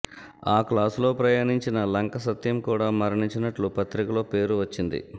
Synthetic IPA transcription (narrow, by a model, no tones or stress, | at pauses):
aːklaːslo̞ːpɾɐjaːniɲt͡ʃinɐlɐŋkɐsɐt̪jɐmkuːɽaːmɐɾɐɳiɲt͡ʃinɐʈlupɐt̪ɾikɐloːpe̞ːɾuʋɐt͡ʃːind̪ḭ